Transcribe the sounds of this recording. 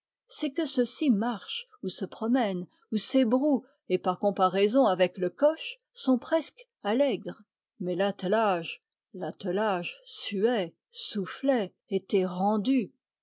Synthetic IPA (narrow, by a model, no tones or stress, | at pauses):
sɛkəsəsimaʁʃ | usəpχɔmɛn | usebʁu | epaʁkɔ̃paʁɛzɔ̃avɛkləkɔʃ | sɔ̃pχɛsk | alɛɡʁ | mɛlat̪laʒ | lat̪əlaʒsyɛ | suflɛ | et̪ɛʁɑ̃d̪y